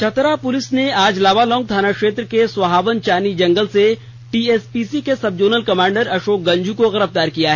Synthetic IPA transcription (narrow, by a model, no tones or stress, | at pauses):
t͡ʃʰɐt̪ɾapʊlɪsneaːd͡ʒlaːʋalɔ̃ːŋɡ̚d̪ʱaːnakʃeːt̪ɾəkeswɐɦaːʋənt͡ʃaːnid͡ʒɐ̃ŋɡəlse | ʈiːeːspiːsikesɐb̚d͡ʒoːɾnəlkɐmãːɳɖəɾɐʃoːk̚ɡɐ̃ɲd͡ʒʱukoɣɐɾəfd̪aːɾkijaɦɛː